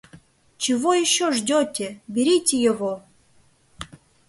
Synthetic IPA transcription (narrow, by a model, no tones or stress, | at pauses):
t͡ɕɪvojɪɕːoʐdʲotʲebʲɪɾʲitʲejɪvo